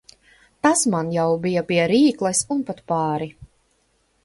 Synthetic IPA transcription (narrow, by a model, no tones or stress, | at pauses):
t̪asmanjawbijɐpiɛɾiːklˠɛsunpat̪paːɾi